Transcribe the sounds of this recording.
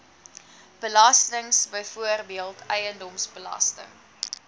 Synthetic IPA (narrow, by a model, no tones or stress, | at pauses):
b̥əlɐstəŋsbəjfuərbiəlˠtʰɛjəndɔmsbəlɐ̰stə̰ŋ